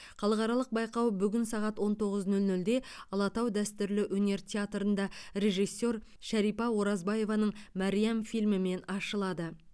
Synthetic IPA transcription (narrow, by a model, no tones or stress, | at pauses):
χɑlˠəʁɑɾɑlˠəq̚bɑjqɑwbʏɡʲɪnsɑʁɑt̪wo̞nt̪ʰo̞ʁəznɵlnɵld̪e̞ɑlˠɑt̪ɑwd̪æst̪ʏɾlɪʔwɵne̞ɾt̪ʲat̪ɾənd̪ɑɾe̞ʒijsːo̞ɾ | ʃæɾijpɑwoɾɑzbɑje̞vɑnəɴmɑɾijamfijlmɪme̞nɑʃəlˠɑd̪ə